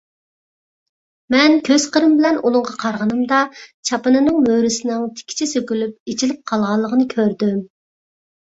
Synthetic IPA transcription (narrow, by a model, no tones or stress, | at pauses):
mɛnkʲʰøz̥qʰəɾɨmbɪlɛnulˠʊɴʁɑqʰɑɾʁənɨmd̪ɑt͡ʃʰɑpɨnɨnɨŋmøɾɪsɪnɪŋt̪ʰɪ̥kʲʰːi̥t͡ʃʰɛsøkʲylyp̚et͡ʃʰilɪp̚qʰɑlˠʁɑlˠːəʁənɨkʲʰøɾd̪ym